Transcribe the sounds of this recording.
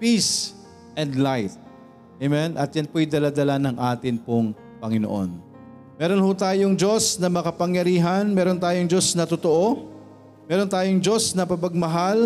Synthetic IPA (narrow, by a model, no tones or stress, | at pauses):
pis | ʔɛnd̪lajt̪̚ | ɛmɛnʔɐt̪̚janpojd̪ɐlad̪ɐlanɐŋʔaːt̪ɪnpoŋ | pɐŋɪno̰ʔo̞̰n | mɛːɾonhut̪aːjoŋd͡ʒo̞snɐmɐɐkɐpɐŋjɐɾiːɦɐnmɛːɾo̞nt̪aːjoŋd͡ʒo̞snɐt̪ot̪oʔo̞ | mɛːɾont̪aːjoŋd͡ʒo̞snɐpɐpɐɡ̚mɐɦal